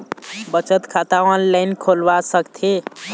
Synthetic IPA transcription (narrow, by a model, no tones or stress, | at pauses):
bət͡ʃət̪kʰat̪aɔnlajnkʰolʋasəkt̪ʰe